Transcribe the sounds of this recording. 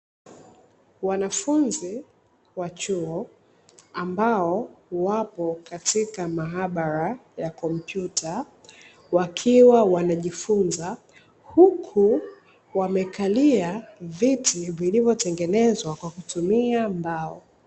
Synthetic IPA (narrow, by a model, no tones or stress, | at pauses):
wanafunzi | wat͡ʃuɔ | ambaɔwapɔkatikamaɦaɓaɾajakɔm̩pjutʰa | wakʰiwawanaʄifunza | hukʰu | wamɛkʰaliavitivilivjɔtɛŋɡɛnɛzwakwakutumiambaɔ